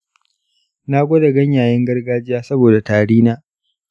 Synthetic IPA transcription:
naː˦ɡʷo˦da˨ɡɐ˦ɲjaː˨jɪ˦ŋɡɐ˦rɡaː˦d͡ʒɪ˦jaː˦sɐ˦boː˨da˨taː˨ɽiː˦naː˦

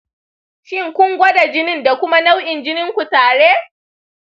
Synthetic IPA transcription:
ʃɪ˦ŋkʷʊ˦ŋɡʷɔ˦da˨d͡ʒɪ˦nɪ˦nda˨kʷʊ˦ma˦na˦wʔɪ˨nd͡ʒɪ˦nɪ˦ŋkʷu˨taː˨ɽe˦

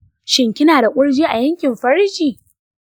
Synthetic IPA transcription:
ʃɪ˨ŋkʲɪ˦naː˨da˨kʷʼʊ˦ɽd͡ʒiː˦ʔa˨jɐ˦ŋkʲɪ˨mɸɐ˦ɾkʲiː˨

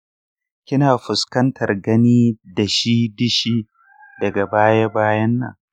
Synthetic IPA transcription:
kʲɪ˦naː˨ɸʊ˨skɐ˦ntʰɐ˨rɡɐ˦niː˦da˨ʃi˦dɪ˦ʃiː˦ | dɐ˨ɡa˨baː˦ja˦baː˦jɐ˦nːa̰˨

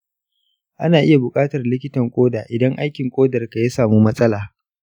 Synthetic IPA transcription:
ʔa˦naː˨ʔɪ˦ja˨bʊ˨kʼaː˦tɐ˨rlɪ˦kʲɪ˦tɐ˨ŋkʷʼoː˦daː˨ʔɪ˨dɐ˦ŋʔa˦jkʲɪ˨ŋkʷʼoː˦dɐ˨rka˨jaː˦saː˨muː˦mɐ˦sʼɐ˦laː˨

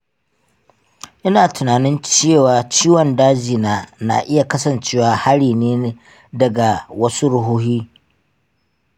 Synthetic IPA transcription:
ʔɪ˦naː˨tʰʊ˨naː˨nɪ˦nt͡ʃeː˦˨waː˨t͡ʃiː˦wɔ˨ndaː˦d͡ʒiː˨naː˦na̰˨ʔɪ˦ja˨kɐ˦sɐ˨nt͡ʃeː˦waː˨ha˦ɽiː˨neː˦ | dɐ˨ɡa˨wɐ˦su˦ɽʊ˦ɦuː˦hiː˦

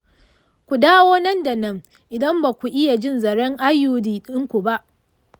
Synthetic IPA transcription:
kʷu˨daː˦woː˦nɐ˦nda˨nɐ˦ŋ | ʔɪ˨dɐ˦mbaː˨kʷu˨ʔɪ˦ja˨d͡ʒɪ˦nzɐ˨ɽɛ˦ŋʔa˦juː˨diː˨ɗɪ˦ŋkʷu˨ba˦ʔ

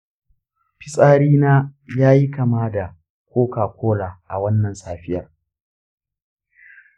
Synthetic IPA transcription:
ɸɪ˦sʼaː˦ɽiː˦naː˦jaː˦ji˦kɐ˨maː˦da˨ | kʷʰoː˦kaː˨kʷʰoː˦laː˨ʔa̰˨wɐ˦nːɐ˨nsaː˨ɸɪ˦jɐ˨r

